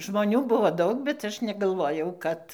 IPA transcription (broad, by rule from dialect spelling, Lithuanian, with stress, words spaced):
ʒmoːˈnʲuː ˈbʊʋoː ˈdɐʊk bʲɛt ˈɐʃ nʲɛɡɐlˠˈʋoːjɛʊ ˈkɐt